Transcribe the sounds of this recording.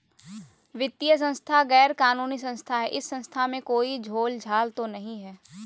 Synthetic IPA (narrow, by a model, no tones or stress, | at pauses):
ʋɪt̪ːijəs̬ə̃nst̪ʰaɣɛːɾkaːnuːnisə̃nst̪ʰaɦɛʔɪsːə̃nst̪ʰamẽkoːid͡ʒʱoːld͡ʒʱaːlt̪onɐɦĩɦɛː